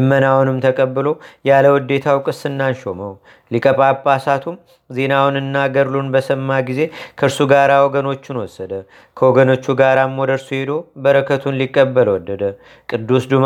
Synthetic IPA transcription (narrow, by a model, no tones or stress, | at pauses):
ɨmːənawnɨmt̪ʰəkʼəbːɨlo̞jaləwɔd̪ːe̞t̪ʰawkʼɨsɨnːanʃo̞̰məw | likʼəpʼapʼːasat̪ʰum | ze̞nawnɨnːaɡəɾlunbəsəmːaɡize̞kʰəɨɾsuɡaɾawoɡəno̞t͡ʃːɪnwɔsːəd̪ə | kʰəwoɡəno̞t͡ʃːuɡaɾamːod̪əɾsuhed̪o̞bəɾəkʰət̪ʰunlikʼːəbːəlwɔd̪ːəd̪ə | kʼɨd̪ːusd̪um